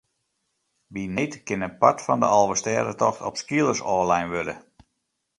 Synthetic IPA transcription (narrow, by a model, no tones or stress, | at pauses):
ʋinetkɪnənpatfɔndə̰ʔɑlˠʋəstɛːdətɔxtɔpskiəlˠəsɔːlɛjnʋødə